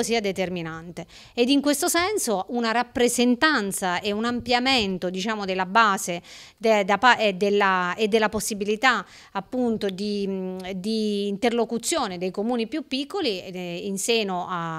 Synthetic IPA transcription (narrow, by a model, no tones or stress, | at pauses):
siːad̪et̪erminant̪e | ed̪iŋkwest̪osɛnsounaɾapːɾezent̪ant̪saʔeunampjament̪od̪it͡ʃaːmod̪elːabaːze | d̪d̪apad̪elːaed̪ːelːaposːibilit̪a | apːunt̪od̪id̪iːnt̪erlokut̪sːjoːned̪ejkomuːnipjupːikːoliːnseːnoa